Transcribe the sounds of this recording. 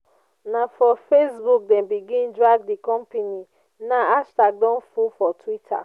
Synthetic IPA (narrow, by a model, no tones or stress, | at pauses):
nafɔfesbuk̚dɛ̃nbiɡĩndɹaɡ̚dikɔ̃mpeni | naaʃtaɡ̚dɔ̃nfufɔtʰwitʰa̰